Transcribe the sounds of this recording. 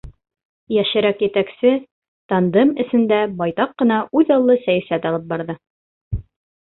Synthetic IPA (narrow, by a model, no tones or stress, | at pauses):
jæʃɘ̆ɾækjɘ̆t̪æksɘ | t̪ɑnd̪ɤmɘ̆sɘ̆nd̪æbɑjt̪ɑqːɤ̆nɑʉðɑlˠːɤsæjæsæt̪ɒlˠɤp̚bɑɾðɤ